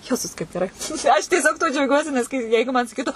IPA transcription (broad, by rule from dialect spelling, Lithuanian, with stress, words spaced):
ˈjæːzʊs kɐɪp ɡʲɛˈrɐɪ ɐʃ tʲiɛˈsʲoːk tuɔ d͡ʒʲɛʊˈɡʲuɔsʲɪ nʲɛs ˈkɐɪ ˈjɛɪɡʊ mɐn sɐˈkʲiːtʊ